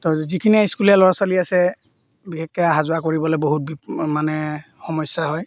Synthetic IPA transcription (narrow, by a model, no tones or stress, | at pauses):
tɔzikʰiniajskulijalɔɹasaliasɛ | bixɛkːɛaɦazʊakoɹibɔlɛboɦut̚bimanɛ | xɔmɔjsaɦɔj